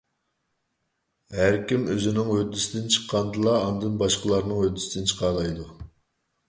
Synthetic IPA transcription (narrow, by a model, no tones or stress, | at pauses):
hæɾkʲimøzɪnɪŋwøt̪ːysɪd̪ɪnt͡ʃʰə̥qʰːɑnd̪ɨlˠɑːnd̪ɨnbɑʃqəlˠɑɾnɨŋød̪ysd̪ɪnt͡ʃʰə̥qʰɑɾlˠɑjd̪u